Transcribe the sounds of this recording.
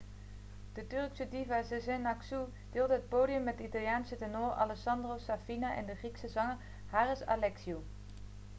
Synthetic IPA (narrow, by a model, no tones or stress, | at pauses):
d̥ətɵrksədivɛsəzɛnaksu | d̥ɪːlˠdəɦət̚poːdijəmːɛt̚dəitalˠjaːnsətɛnoːrɑ̰lɛksɑndrosafinaʔɛ̰ndəχriksəzɑŋəɹ | haːrəsa̰lɛksiu